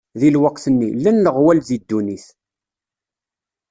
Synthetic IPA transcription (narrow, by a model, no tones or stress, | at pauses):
ðilwəqθənːilːænləʁwælzid̪ːuniθ